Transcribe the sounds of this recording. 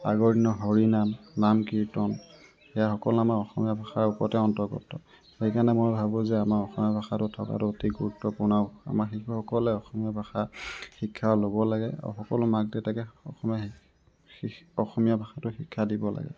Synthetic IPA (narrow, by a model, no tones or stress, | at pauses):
a̰ɡɔɹdinɔɦɔɹinamːamkiɹtɔn | xɛjaxɔkɔlamaɹɔxɔmijabʱaxaɹupɔtɛɔntɔɹɡɔ̰tɔ | xejkanɛmojbʱabʊ̃zɛamaɹɔxɔmijabʱaxatʊtʰɔka̰tʊotiɡuɹutːɔpʊnaʊa̰maxixɔkɔlɛɔxɔmijabʱaxaxikʰːaɔlobɔlaɡɛa̰xɔkɔlʊmak̚dɛtakɛɔxɔmija | ɔxɔmijabʱaxatʊxikʰːadibɔla̰ɡɛ̰